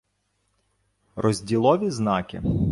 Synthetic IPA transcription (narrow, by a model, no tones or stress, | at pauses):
rɔzʲdʲilˠɔʋʲiznɑkɪ̰